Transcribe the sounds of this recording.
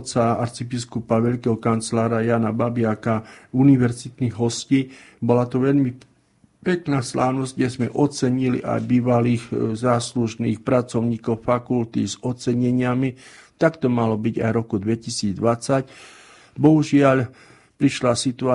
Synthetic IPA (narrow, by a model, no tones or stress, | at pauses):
t͡saaɾt͡sibiskupaʋɛʎkɛɦɔkant͡slaːɾajaːnababɪakauniʋɛɾzit̪niɣɦɔsciːbɔlat̪ɔʋɛʎmi | pɛknaːslaːʊnɔzɟɟɛzmɛʔɔt͡sɛɲiliʔa̰jbiːʋaliːxzaːsluʒniːxpɾat͡sɔʊɲiːkɔʊfakult̪izɔt͡sɛɲɛɲɪamit̪akt̪ɔmalɔbiɟa̰jɾɔkud̪ʋɛcisiːd͡zd̪ʋat͡sac | bɔɦuʒɪaʎ | pɾiʃlasit̪ua